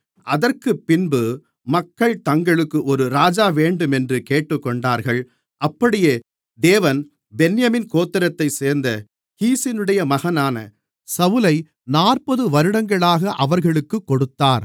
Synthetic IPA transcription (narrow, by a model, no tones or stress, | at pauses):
ʔɐðɐrkɯpːɪnbɯ | mɐkːɐɭt̪ɐŋɡɐɭɯkːɯʔɔɾɯɾaːd͡ʒaːʋeːɳɖɯmɛndrɯkeːʈːɯkːɔɳɖaːɾɣɐɭ | ʔɐpːɐɽɪjeː | d̪eːʋɐn | bɛnjɐmɪnkoːt̪ːɪɾɐt̪ːɐɪseːɾnd̪ɐ | hiːsɪnɯɽɐjɐmɐɣɐnaːnɐ̰ | sɐʋɯlɐɪ | naːrpɐðɯʋɐɾɯɽɐŋɡɐɭaːɣɐʔɐʋɐɾɣɐɭɯkːɯkːɔɽɯt̪ːaːɾ